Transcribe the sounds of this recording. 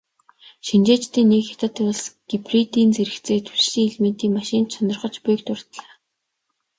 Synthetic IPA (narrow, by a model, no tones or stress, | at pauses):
ʃint͡ɕeːt͡ɕt̪eːnːekxḁt̪ə̆t̪ːʊɮsɡ̥iprit̪iːnt͡seɾɘ̆kt͡seːt̪ʰu̥sɮiːŋiɮmeːnt̪iːŋmaʃɪ̆nt͡ɕʰɔnɞ̆rχə̆t͡ɕpʊjk̚t̪ʊr̥t̪ɮaː